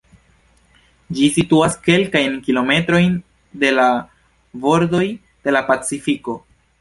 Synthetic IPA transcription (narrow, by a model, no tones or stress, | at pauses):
d͡ʒisituaske̞lkajnkilo̞me̞tɾo̞jn | de̞la | vo̞ɾdo̞j | d̥e̞lapat͡sifiko̞